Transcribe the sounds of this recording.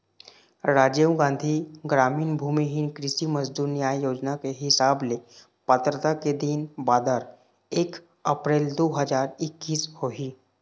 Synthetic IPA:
ɾad͡ʑewɡãnd̪ʱiːɡɾamiːnbʱumiɦinkɾisiːməzd̪uːɾnjajjod͡ʑnakeɦisable | pət̪ɾət̪aked̪iːnbad̪əɾ | ek | əpɾeld̪oɦəd͡zaɾikːiːshoɦiː

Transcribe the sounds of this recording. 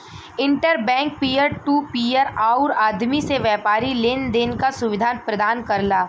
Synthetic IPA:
ɪ̃ɳʈəɾbɛ̃ːŋk̚piːəɾʈuːpiːəɾaːʊɾaːd̪miseʋjɛːpaːɾileːnd̪eːnkasʊʋɪd̪ʱaːnpɾɐd̪aːnkɐɾlaː

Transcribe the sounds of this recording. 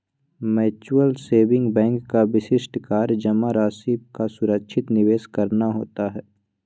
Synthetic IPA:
mɛːt͡ʃːəlseːbɪ̃ŋɡbɛ̃ːŋkːaʋɪsɪʃʈkaːɾd͡ʒɐmaɾaːsiːbkasʊɾəkʃʰɪt̪nɪʋeːskɐɾnaɦo̰ːt̪aɦɛː

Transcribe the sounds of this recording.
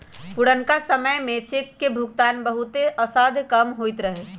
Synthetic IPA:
pʊɽənkasəməjmẽt͡ʃɪkːebʱʊk̚t̪aːnbəɦʊt̪eʔəsaːd̪ʱkəmɦoːit̪ɾəɦe

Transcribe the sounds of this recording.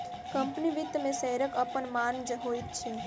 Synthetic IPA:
kəmpniʋit̪ːmẽsɛɦɾəkəpənmand͡ʒəɦojt̪̚t͡ʃʰɛ

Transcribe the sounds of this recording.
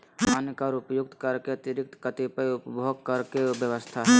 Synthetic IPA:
aːnkaɾʊpjʊk̚t̪kəɾkeɐt̪ɪɾɪk̚t̪kət̪ipəʊpbʱoɡ̚kəɾkebjəʋəst̪ʰaɦ

